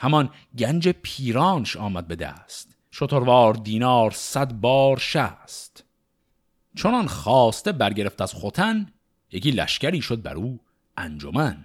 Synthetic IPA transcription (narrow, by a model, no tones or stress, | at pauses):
hæmɒn | ɟænd͡ʒepʰiːɾɒːnʃɒːmæd̪̚be̞d̪æ̰st̪ | ʃot̪ʰoɾvɒːɾd̪iːnɒːɾsæd̪bɒːɾʃæst̪ | t͡ʃʰonɒːnχɒːst̪ebæɾɟe̞ɾe̞ft̪æz̥χot̪ʰæn | jeciːlæ̰ʃcæɾiːʃod̪̚bæ̰ɾuː | ʔæ̰nd͡ʒo̰mæn